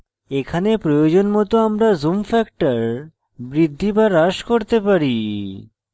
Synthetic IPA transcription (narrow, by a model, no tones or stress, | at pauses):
ekʰanepɾojod͡ʑonmɔt̪oamɾazumfɛkʈaɾ | bɾid̪ʱːibaɾaʃkoɾt̪epaɾi